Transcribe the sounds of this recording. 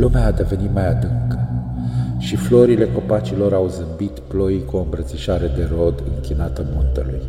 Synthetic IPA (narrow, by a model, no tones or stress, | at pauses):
lumeaːd̪e̞ve̞nit̪majad̪ɨŋkə | ʃiflo̞ɾile̞ko̞pat͡ʃilo̞ɾawzɨmbit̪plo̞jkuɨmbɾət̪siʃaɾe̞d̪e̞ro̞d̪ɨ̰ŋkʲinat̪əmunt̪əluj